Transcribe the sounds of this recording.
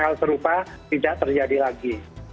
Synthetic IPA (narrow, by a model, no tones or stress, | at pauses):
halsəɾupa | t̪idaʔt̪ərd͡ʒadilaɡi